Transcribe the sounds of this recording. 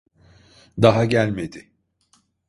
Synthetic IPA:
d̪aɦaɟælʲmed̪ɪ

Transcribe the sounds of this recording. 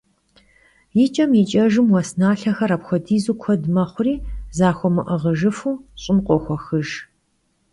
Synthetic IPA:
jɪt͡ʃʼɐmjit͡ʃʼɐʒɨmwɐsnaːɬɐxɐɾapxʷɔdiːzuːkʷʰɔdmɐχʷʊriːzaːxʷɔmɨʔəʁəʒɨfuːɕʼɪmqʷʼɔxʷɔxɨʒ

